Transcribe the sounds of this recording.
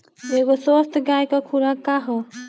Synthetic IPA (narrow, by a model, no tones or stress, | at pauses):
eɡosɔst̪ʰɡajkɔkʰuɾakaɦo